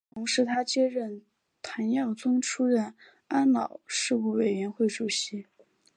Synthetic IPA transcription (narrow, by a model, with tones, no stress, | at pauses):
t̪ʰʊ˧˥ŋʂɻ̩˧˥t̪ʰa˥t͡ɕjɛ˥ɻə˥˩n | t̪ʰa˧˥njɑ˥˩ʊt͡sʊ˥ŋʈ͡ʂʰu˥ɻə˥˩n | a˥nlɑ˨˩˦ʊʂɻ̩˥˧u˥˩we˨˩ɪɥɛ˧˥nxwe˥˩ɪʈ͡ʂu˨˩ɕi˧˥